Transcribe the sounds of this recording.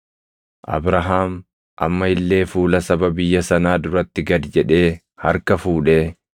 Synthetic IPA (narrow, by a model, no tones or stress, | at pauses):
ʔɐ̰bɾɐɦaːm | ʔɐ̰mːɐɪlːe̞ːfuːlɐsɐbɐbɪjːɐsɐnaːd̪ʊɾɐt̪ːɪɡɐd̪d͡ʒɛᶑe̞ː | hɐɾkɐfuːᶑeː